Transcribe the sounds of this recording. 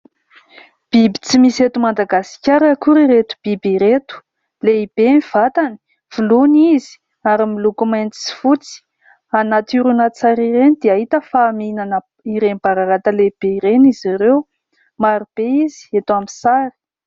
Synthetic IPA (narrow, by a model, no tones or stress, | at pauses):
b̥ibit͡simiset̪umand̪aɡasi̥kʲaɾəkuɾiɾet̪u̥b̥ibiɾet̪u̥ | leib̥emiv̥at̪ani̥ | v̥ulunizi̥ | aɾimilukumajnt͡si̥t͡si̥fut͡si̥ | anat̪uɾunat͡saɾiɾenid̪̥eaɦit̪əfaːminanə | iɾenib̥aɾaɾat̪əleb̥eiɾeniziɾew | maɾub̥eiz̥i̥et̪uamisaɾi̥